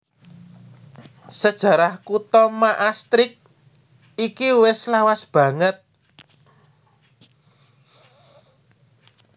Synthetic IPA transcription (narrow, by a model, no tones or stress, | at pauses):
səd̥ʒ̥ä̤ɾahkut̪ɔmaʔast̪ɾɪk̚ | ikiwɪslawasb̥ä̤ŋət̪̚